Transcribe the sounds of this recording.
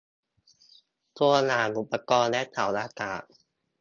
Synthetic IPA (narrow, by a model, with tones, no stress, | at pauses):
t̪ʰu˧ɐnaː˩˦nʔu˨˩pːa˧kɔː˧nlɛː˦˥t̪ʰaː˨˩˦wlaː˧kaː˨˩